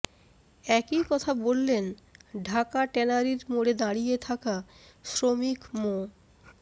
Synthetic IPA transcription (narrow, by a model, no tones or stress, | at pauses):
ɛkikɔt̪ʰabolːenɖʱakaʈɛnaɾiɾmoɽed̪aɽijet̪ʰakasɾomikmo